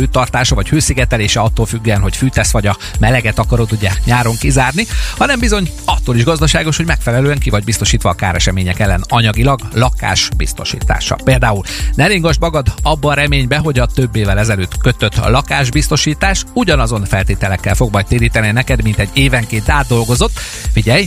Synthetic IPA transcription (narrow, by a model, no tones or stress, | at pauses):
øːt̪ɒrt̪aːʃɒvɒchøːsiɡɛt̪ɛleːʃɛɒt̪ːoːlfyɡːyɛnɦo̞cfyːt̪ɛsʋɒɟɒ | mɛlɛɡɛt̪ɒkɒɾot̪uɟːaːkɲaːɾo̞ŋkizaːrnihɒnɛmbizo̞ɲ | ɒt̪ːoːliʒɡɒzd̪ɒʃaːɡo̞ʃho̞ɟmɛkfɛlɛløːɛŋkivɒɟbist̪o̞ʃiːt̪ʋɒːkaːɾɛʃɛmeːɲɛkɛlːɛnɒɲɒɡilɒɡlɒka̰ːʃbḭst̪o̞̰ʃḭːt̪a̰ːʃɒ̰peːld̪aːulnɛleːŋɡoʒbmɒɡɒd̪ɒbːɒːɾɛmeːɲbɛɦo̞ɟɒt̪ø̞bːeːvɛlɛzɛløːt̪kø̞t̪ø̞t̪lɒkaːʒbist̪o̞ʃiːt̪aːʃuɟɒnɒzo̞nfɛlt̪eːt̪ɛlɛkːɛ̰lfo̞ɡmɒjt̪eːɾiːt̪ɛninɛkɛd̪mint̪ɛɟːeːvɛŋkeːnt̪aːd̪̚ːo̞lɡo̞zo̞t̪ː | fiɟɛj